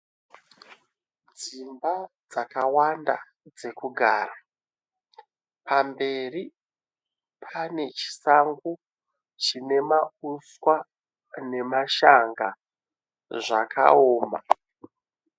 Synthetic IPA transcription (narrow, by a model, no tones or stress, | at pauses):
d͡zimbad͡zakawanda̰ | d͡ze̞kuɡʱaːɾa | pʰambe̞ri | pʰane̞t͡ʃi̥saŋɡu | t͡ʃine̞mauswa | ne̞maʃaŋɡa | ʐa̰kʰa̰oːma̰